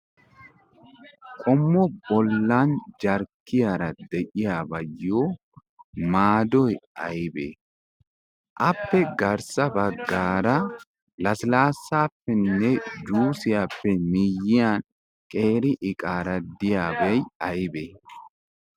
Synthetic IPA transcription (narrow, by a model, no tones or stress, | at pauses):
kʼɔmːɔbɔlːaːnd͡ʒɐɾkːɪjɐɾɐd̪ɛʔɪjabɐjːoː | maːd̪ɔjɐɪbɛ̰ | ʔɐpːɛɡɐɾsɐbɐɡːaːɾɐ | lɐslaːsːaːfːɛnːɛd͡ʒuːsɪjɐpːɛmɪjːɪan | kʼeːɾɪʔɪkʼaːɾɐd̪ɪjaːbɐjɐjɪbɛ